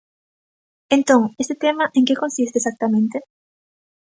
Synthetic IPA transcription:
ent̪õŋest̪et̪emaʔeŋkeko̞nsis̬t̪eːsak̚t̪amẽnt̪e

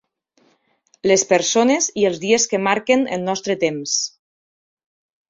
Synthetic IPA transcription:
lespeɾsonezielˠzðieskemaɾkenə̰lˠnɔst̪ɾət̪ems

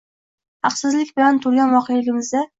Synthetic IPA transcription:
hɑqsɪzlɪkʲbɪlant̪ʰʊɾɡʲanvɒqʰejlɪɡʲɪmɪzd̪a

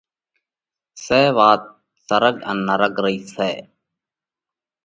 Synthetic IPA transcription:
seːʋaːt̪̚ | səɾəd͡ʒə̰nːəɾəkɾəiːsɛː

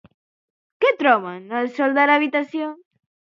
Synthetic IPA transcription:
ket̪ɾɔβanalsɔld̪aɾaβit̪asjo

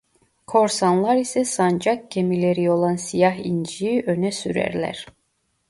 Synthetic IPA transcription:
kʰo̞ɾsanlˠaɾisɛsand͡ʒak̚cʰemilʲe̞ɾio̞lˠansijaɦind͡ʒiiʔønɛsyɾæ̰ɾlʲæ̰ɾ̥

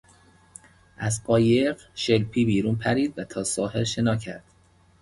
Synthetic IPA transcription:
ʔæzqɒːjeɢ | ʃelpʰiːbiːɾuːnpʰæɾiːd̪væt̪ʰɒːsɒːhelʃe̞nɒːcʰæ̰ɾd̪̥

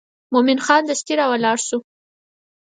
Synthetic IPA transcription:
mʊmɪnxɑnd̪əst̪iɾɑwalɑɽʃu

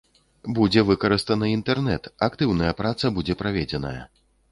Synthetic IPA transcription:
bud͡zʲɛvɨkɐɾɨst̪ɐnɨint̪ɛrnɛt̪akt̪ɨwnɐjɐpɾat̪sɐbud͡zʲɛpɾavʲɛd͡zʲɛnɐ̰jɐ̰

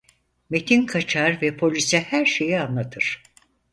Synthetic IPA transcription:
me̞t̪ʰinkʰat͡ʃʰaɾvɛpʰo̞lʲisɛhæɾʃe̞jianlˠat̪ʰɯɾ̥

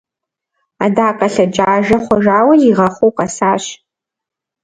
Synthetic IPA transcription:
adaːkʼɐɬɐd͡ʒʼaːʒɐχʷɔʒaːwɐjiʁɐχʷowqɑsaːɕ

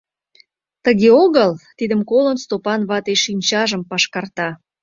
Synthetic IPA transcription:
t̪əɣeoɣəlt̪id̪əmkolənst̪opɑnβɑt̪eʃinʲt͡ɕɑʒəmpɑʃkɑrt̪ɑ

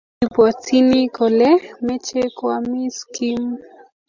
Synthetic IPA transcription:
ipwat͡sinikolɛmɛt͡ʃekwamiskim

